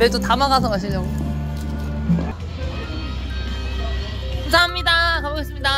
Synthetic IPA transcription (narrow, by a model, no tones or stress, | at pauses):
et͈otamaɡasʰʌmaɕʰid͡ʑaɡo | kumsʰaɦamɲidakaboɡes͈ɯmɲida